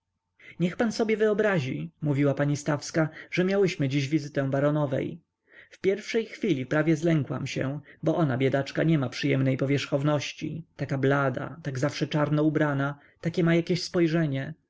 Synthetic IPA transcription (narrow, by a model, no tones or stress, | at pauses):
ɲɛxpansɔbʲjɛvɘɔbɾaʑimuvʲiwapaɲist̪afskaʐ̥ɛmʲjawɘɕmɘd͡ʑiʑvʲizɘt̪ɛ̃w̃baɾɔnɔvɛ̰j | fpʲjɛɾfʂɛjxfʲilʲipɾavʲjɛzlɛŋkwa̰mɕɛ̰bɔʔɔnabʲjɛd̪at͡ʂkaɲɛmapʂɘjɛmnɛjpɔvʲjɛʂxɔvnɔɕt͡ɕḭt̪akablad̪a̰t̪aɡzafʂɛt͡ʂaɾnɔubɾana | t̪akʲɛmajakʲeɕspɔjʐɛɲɛ